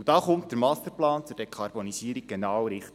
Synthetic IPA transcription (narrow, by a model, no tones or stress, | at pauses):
ud̥ɑːχʊmt̚d̥əɾmɑsəplɑːnt͡sʊrd̥ekʰɑɾbonisiəɾiɡ̚ɡ̥enɑːwɾɪχt